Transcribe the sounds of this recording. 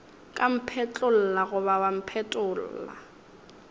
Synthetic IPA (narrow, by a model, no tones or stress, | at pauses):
kʼam̩pʰɛt͡ɬʼʊl̩laɣʊβawam̩pʰɛtʼʊːl̩ːla̰